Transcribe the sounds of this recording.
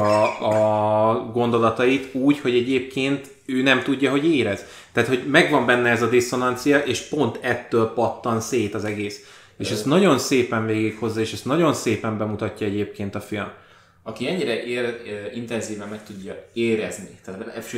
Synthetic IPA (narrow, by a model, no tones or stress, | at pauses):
ɒ | ɡo̞nd̪o̞lɒt̪ɒit̪uːcho̞ɟɛɟeːp̚keːnt̪ | øːnɛmt̪uɟːɒɦo̞ɟeːɾɛz̥ | t̪ɛaːt̪ho̞ɟmɛɡʋɒmbɛnːɛɛzɒd̪iso̞nɒnt̪sijɒʔeːʃpo̞nt̪ɛt̪ːøːlpɒt̪ːɒnseːt̪ɒzɛɡeːs | eːʃɛst̪nɒɟo̞nseːpɛɱveːɡikho̞zːɒeːʃɛst̪nɒɟo̞nseːpɛmbɛmut̪ɒcːɒɛɟeːp̚keːn̪t̪ɒfilm | ɒkiɛɲːiɾɛʔeːrint̪ɛnziːvɛmːɛkt̪uɟːɒeːɾɛznit̪ɛːt̪